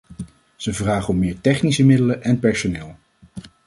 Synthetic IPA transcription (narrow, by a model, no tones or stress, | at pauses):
z̥əvraːχəɔmːɪːɹtɛχnisəmɪdələʔɛnpɛɹsonɪːlˠ